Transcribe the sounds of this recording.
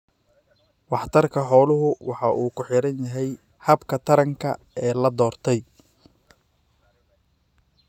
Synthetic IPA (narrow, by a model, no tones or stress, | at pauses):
wɑħt̪ʰɐrkʰɐħɔːlʊɦʊwɑħɑʔuːkʰʊħɪɾɐnjɐɦɛj | hɐbkʰɐt̪ʰɐɾɐŋkʰɐ̰ | ɛːlɐd̪ɔːrt̪ʰɛj